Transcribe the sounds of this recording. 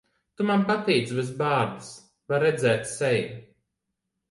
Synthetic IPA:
t̪umanpat̪ɛjd̪svis̬baːɾd̪is | vaɾɛd̪zɛːt̪sɛj

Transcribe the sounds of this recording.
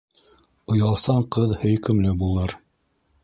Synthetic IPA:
ŏjɑlˠsɑɴqɤðhɵ̆jkɘ̆mlɘbulˠɤɾ

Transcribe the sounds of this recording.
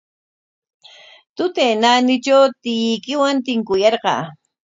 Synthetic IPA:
t̪ʊt̪ejnanɪt͡ʃawt̪ɪjɪjkɪwant̪ɪŋkʊjɑɾɢɑ̰ː

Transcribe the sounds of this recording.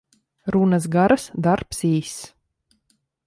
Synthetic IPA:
ɾunas̬ɡaɾasd̪aɾpsiːs

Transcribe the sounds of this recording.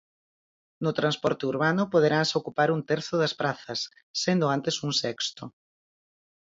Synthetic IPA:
nʊt̪ɾãnspɔɾt̪ɪuɾβ̞anʊpoð̞eɾanseokupaɾuŋt̪ɛɾθʊðɐspɾaθɐsː | end̪ʊant̪esuŋsɛkst̪ʊ

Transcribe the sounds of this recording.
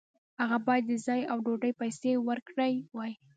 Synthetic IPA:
haɣabɑjad̪̚ːəzɑjawɖoɖəjpajsewəɾkɽəjwɑj

